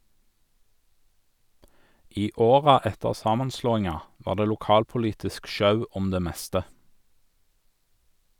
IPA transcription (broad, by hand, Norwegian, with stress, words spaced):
ˈiː ˈoːʁɑ ˈɛtəʁ ˈsɑːmɑnˌsloːɪŋɑ ˈʋɑːʁ ˈdeː lʊˈkɑːlpʊˌliːtɪsk ˈʃɑʉ ˈɔm ˈdeː ˈmɛstə